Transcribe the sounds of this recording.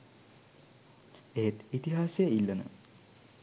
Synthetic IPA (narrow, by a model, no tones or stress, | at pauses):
eɦet̪it̪iɦaːsejəilːɐnə̰